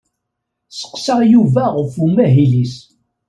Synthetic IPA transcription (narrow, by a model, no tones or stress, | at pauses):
sə̥qːsəʁjuvæʁəfumæɦilis